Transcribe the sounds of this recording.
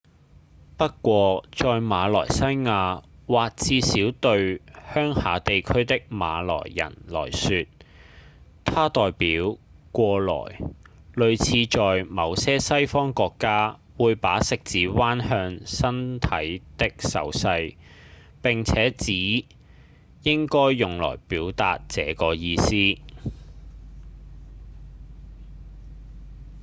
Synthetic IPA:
pɐ˥t̚kʷɔː˧t͡sɔː˨jmaː˨˧lɔː˨˩jsɐ˥jŋaː˧waː˨k̚t͡sʰiː˧siː˨˥wt̪ɵ˧ɥhœː˥ŋhaː˨˧˥t̪e˨jkʰɵ˥ɥt̪ɪ˥k̚ma̰ː˨˧lɔ̰ː˨˩jːɐ̰˨˩nlɔ̰ː˨˩jsyː˧t̪̚ | t̪ʰaː˥t̪ɔː˨jpiː˨˥wkʷɔː˧lɔ̰ː˨˩j | lɵ˨˧ɥt͡sʰiː˧t͡ʃɔː˨jmɐ˨˧wsɛː˥sɐ˥jfɔː˥ŋkɔː˧kːaː˥ | wuː˨˧jpaː˨˥sɪ˨k̚t͡siː˨˥waː˥nhœː˧ŋsɐ˥nt̪ʰɐ˨˥jt̪ɪ˥k̚sɐ̰˨˥wsɐ˧j | pɪ˨ŋt͡sʰɛː˨˥t͡siː˨˥ | jɪ˥ŋkɔː˥jːʊ˨ŋlɔ̰ː˨˩jpiː˨˥wt̪a̰ː˨t̚t͡sɛː˨˥kɔː˧jiː˧siː˥

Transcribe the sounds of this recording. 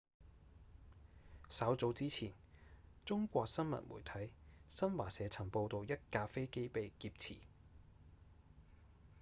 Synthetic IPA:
sɐ˨˥wt͡so˨˥wt͡siː˥t͡sʰiː˨˩n | t͡sʊ˥ŋkʷɔː˧k̚sɐ˥nmɐ̰˨˩t̚mṵː˨˩jt̪ʰɐ˨˥jsɐ˥nwaː˨˩sɛː˨˧t͡sʰɐ˨˩ŋpo˧wt̪o˨˧wjɐ˥t̚kaː˧fe˥jke˥jpe˨jkiː˧p̚t͡sʰḭː˨˩

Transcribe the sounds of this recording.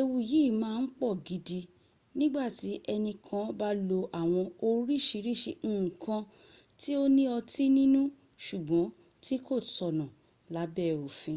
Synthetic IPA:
e˧wu˧ji˨˦˨mãː˧˦˧n̩˦k͡pɔ˦˨ɡi˧di˧ | nĩ˦ɡ͡ba˦˨ti˨˦ʔɛ˧nĩ˧kʰã˧ba˦lo˧ʔa˨w̃ɔ̃˧o˧ɾi˦˨ʃi˧ɾi˦ʃe˧ñ̩ː˦˨kʰã˧ | ti˦o˦nĩ˦ɔ˧ti˦nĩ˦nũ˦ | ʃu˨ɡ͡bɔ̃˨˦ | ti˦ko˦˨tɔ˨nã˨ | la˨˦bɛ˦˨o˨fĩ˧˦

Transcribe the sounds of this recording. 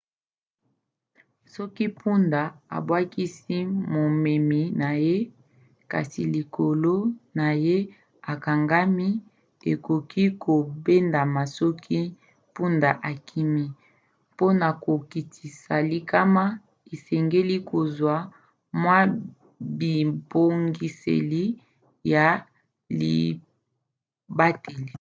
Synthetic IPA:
sɔ˦ki˦pʰu˦nda˨a̰˨bwa˦ki˦si˦mo˨me˨mi˨na˨je˦ | ka̰˨si˨li˨ko˨lo˦na˨je˦ | a˨ka˨ŋɡa˦mi˦ | e˨ko˨kʰi˦ko˨be˦nda˨ma˨sɔ˦kʰi˦ | pu˦nda˨ʔa˨kʰi˦mi˦ | po˦na˨ko˨ki˨tʰi˨sa˨li˦ka˦ma˦ | e˨sɛ˨ŋɡe˦li˦ko˨zwa˨ | mwa˦ | bi˨bo˨ŋɡi˨sḛ˨li˦ | ja˨ | lḭ˨ | ba˦te˨li˨

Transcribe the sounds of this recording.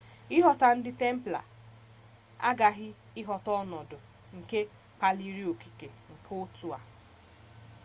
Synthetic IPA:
ɪ˦ɦɔ˨ta˨n̩˦dɪ˦te˦m̩˦pla̰˨ | a̰˦ɡa˨ɦɪ˦ | ɪ˦ɦɔ˨tɔ˦nɔ˨dʊ˨ | ŋ̩˨ke˦ | k͡pa˦li˦ɾi˦o˨ki̥˨ke˨ŋ̩˨kʰʊ˦tu˨a̰˨

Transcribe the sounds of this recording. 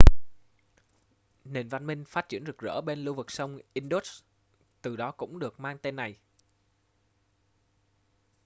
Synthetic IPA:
ne˨˩nva˧nmï˧ŋ̟faː˦˥t̚t͡ɕḭ˧˩ənzk̚zə̰ː˧˥ɓe˧nlu˧vɨ˨˩k̚sə˧wŋ͡mʔi˧nɗo˦˥t | t̪ɨ˨˩ɗɔ˨˦kʊ̰˧˥ŋ͡mɗɨ˨˩ək̚maː˧ŋt̪e˧nːa˨˩j

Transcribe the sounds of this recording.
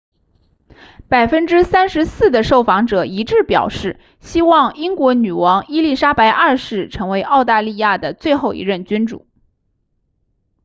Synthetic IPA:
pa˨˩ɪfə˥nʈ͡ʂɻ̩˥sa˥nʂɻ̩˧˥sɹ̩˥˩d̪ə˩ʂo˥˩ʊfɑ˧˥ŋʈ͡ʂɤ˨˩i˧˥ʈ͡ʂɻ̩˥˩pjɑ˨˩ʊʂɻ̩˥˩ | ɕi˥wɑ˥˩ŋi˥ŋkwɔ˧˥ny˨˩wɑ˧˥ŋi˥li˥˩ʂa˥pa˧˥ɪʔɐ˞˥˧ʂɻ̩˥˩ʈ͡ʂʰɤ˧˥ŋwe˧˥ɪʔɑ˥˧ʊt̪a˥˧li˥˧ja˥˩d̪ə˩t͡swe˥˧ɪxo˥˩ʊḭ˧˥ɻə˥˩nt͡ɕy˥nʈ͡ʂṵ˨˩˦

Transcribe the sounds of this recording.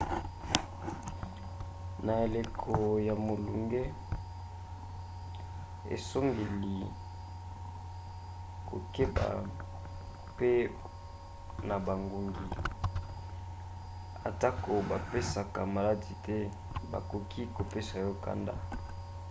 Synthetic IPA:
na˨e˨le˨kʰo˨ja˨mo˨lu˨ŋɡe˦ | ḛ˨so˦mɡe˨li˨ | ko̰˨ke˦ba̰˨ | pe˦ | na˨ba˨ŋɡu˨ŋɡi˨ | a˨ta˦ko˨ba˨pe˦sa˨ka˨ma˨la˦di˨tɛ˦ | ba̰˨ko˨kʰi˦ko˨pe˦sa˨jɔ˦ka̰˦nda̰˦

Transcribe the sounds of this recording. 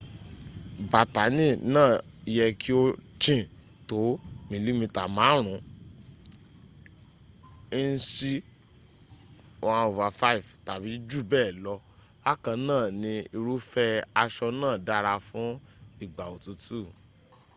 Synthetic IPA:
ba˨ta˨˦nĩ˦˨nãː˦˨i˨˧jɛ˧kʰi˦o˦t͡ʃĩ˦˨ | to˨˦mĩ˧li˦mĩ˧ta˨mãː˨˦ɾ̃ũ˨˦ | n̩˦si˦ | o˧ã˧o˨va˨fa˦i˦˨fta˨bi˨˦d͡ʒu˦˨bɛː˦˨lɔ˧˦ | a˦kã˧nãː˦˨nĩ˧i˧ɾu˦fɛ˦a˧ʃɔ˧nãː˦˨da˦ɾa˧fũ˨˦i˦˨ɡ͡ba˨o˨tu˧˦tu˦˨

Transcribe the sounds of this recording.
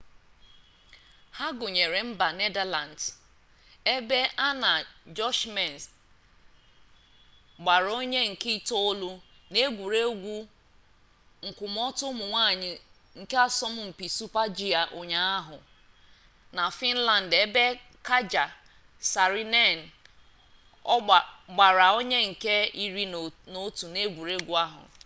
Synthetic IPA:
ha˦ɡʊ˨ɲe˨ɾe˨m̩˦ba˨ne˦da˦la˨n̩˨d | e˦be˦ʔa˦na˨d͡ʒɔ˦ʃme˨n˨s | ɡ͡ba˨ɾo˦ɲe˦ŋ̩˨ki˦to˦lʊ˦ | ne˦ɡʷu˨ɾe˦ɡʷu˦ | ŋ̩˨kʷʊ˨m˦ɔ˦tʊ˦mʊ˨ŋʷaː˦˨ɲɪ˨ | ŋ̩˨ke˦a˦sɔ˦mʊ˦m̩˨pi˨su˦pa˦d͡ʒi˨a˨ʔo˨ɲa˨a˦ɦʊ̰˨ | na˨fi˦n̩˦la˨n̩˨de˦be˦ | ka˦d͡ʒa˨ | sa˨ɾi˦ne˦˨n̩˨˦˨ | ɡ͡ba˨ɾa˨o˦ɲe˦ŋ̩˨ke˦i˦ɾi˦no˦tu˨ne˦ɡʷu˨ɾe˦ɡʷu˦a˦ɦʊ̰˨

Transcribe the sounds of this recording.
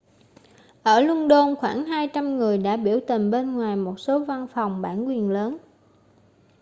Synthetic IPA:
ʔəː˧˩lwʊ˧nɗo˧nxwaː˧˩ŋɦaː˧jt͡ɕa˧mŋɨ˨˩əjɗa̰ː˧˥ɓi˧˩əwt̪i˨˩ŋ̟ɓe˧nŋwaː˨˩jmo˨˩t̚so˨˦va˧nfa˨˩wŋ͡mɓa̰ː˧˩nkwi˨˩ənləː˨˦n

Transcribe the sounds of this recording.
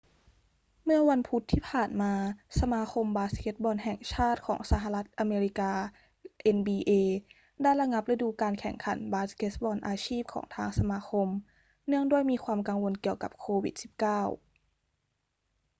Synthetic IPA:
mɯ˥˩ɐwa˧npʰu˦˥t̪ʰːiː˥˩pʰaː˨˩nmaː˧sa˧maː˧kʰo˧mbaː˧˥ske˦˥t̪̚bɔː˧nɦɛː˨˩ŋt͡ɕʰaː˥˩t̪̚kʰɔ̰ː˩˦ŋsaː˧ɦa˧la˦˥t̪̚ʔa˧meː˧ɾi˦˥kaː˧ | ʔe˧nbiː˧ʔeː˧ | daː˥˩jla˧ŋa˦˥p̚la˧duː˧kaː˧nkʰɛ˨˩ŋkʰa̰˨˩˦nbaː˧˥ske˦˥t̪̚bɔː˧nʔaː˧t͡ɕʰiː˥˩p̚kʰɔ̰ː˩˦ŋt̪ʰaː˧ŋsa˧maː˧kʰo˧m | nɯ˥˩əŋdu˥˩əjmiː˧kʰwaː˧mka˧ŋwo˧nki˨˩əwka̰˨˩p̚kʰoː˧wḭ˨˩t̪̚si̥˨˩p̚kaː˥˩w

